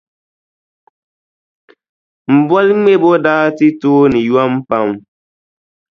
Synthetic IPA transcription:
m̩˨bɔ˦lŋ͡me˦˨bo˦daː˦ti˦toː˦ni˨jwa˦m̩˦pa˦m

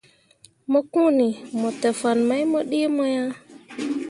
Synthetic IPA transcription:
mɔ˦kũ˦ni˨mɔ˨te˨fa˨nma˦jmo˦ɗi˦mo˦ja˦

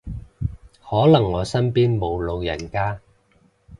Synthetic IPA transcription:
hɔː˨˥lɐ˨˩ŋːɔː˨˧sɐ˥npiː˥nmo˨˧wlo˨˧wjɐ˨˩nkaː˥

